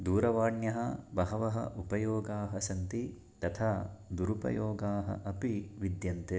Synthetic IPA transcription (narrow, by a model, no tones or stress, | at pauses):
d̪uːɾɐʋaːɳjɐɦɐbɐɦɐʋɐɦɐ̰ʔupɐjoːɡaːɦɐsɐnt̪i | t̪ɐt̪ʰaːd̪uɾupɐ̰joːɡaːɦɐ̰ʔɐpiʋid̪jɐnt̪e